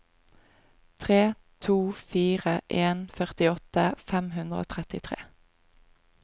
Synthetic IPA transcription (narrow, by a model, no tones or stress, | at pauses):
t̪ʰʁeː | t̪ʰuːfiːʁəʔeːnfœʁt̪ɪɔt̪əfɛmhʉnd̪ʁəo̰ːt̪ʰʁɛt̪ɪt̪ʰʁḛː